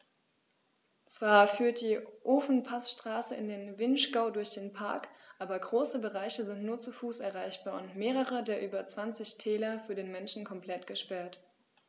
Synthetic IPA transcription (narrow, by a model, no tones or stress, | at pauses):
t͡sv̥aːɐfyːɐt̚d̥iːʔoːfn̩pʰasʃtʁ̥aːsəɪ̰ndeːnvɪnʃɡ̥aʊdʊɐçd̥eːnpʰa̰ɐkʔaːbɐɡʁoːsəbəʁaɪçəzɪntnuːɐt͡sufuːsɛɐʁ̞aɪçb̥aːɐʊntmeːʁəʁədeːɐʔyːbɐt͡sv̥ant͡sɪçtʰɛːlɐfyːɐdeːnmɛnʃn̩kʰɔmplɛtɡ̥əʃpɛɐt